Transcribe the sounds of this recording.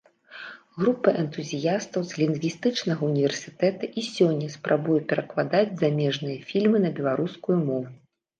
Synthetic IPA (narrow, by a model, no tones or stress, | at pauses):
ɣɾupːɐʔɛnt̪uzʲijast̪ɐwzlʲind̪vʲist̪ɨt͡ʂnɐɣɐunʲivʲɛrsʲi̥t̪ɛt̪ɐʔisʲɔnʲːɐspɾʔabujɛpʲɛɾɐklˠad̪ad͡zʲzamʲɛʐnɨjɐfʲilʲmɨnɐbʲɛlˠaɾuskujumɔvu